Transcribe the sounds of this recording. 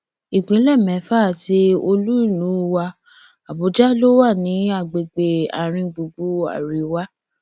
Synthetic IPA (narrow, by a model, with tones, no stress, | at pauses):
i˨ɡ͡bĩ˨˦lɛ˦˨mɛ̃˨˦fa˦˨ti˧o˧lu˦i˦˨lũ˨˦wa˧ | a˨bo˨˦d͡ʒa˦lo˦wa˦˨nĩ˨˦a˦˨ɡ͡be˨ɡ͡be˧a̰˨ɾ̃ĩ˧ɡ͡bu˧ɡ͡bu˦a̰˦˨ɾi˨˦wa˦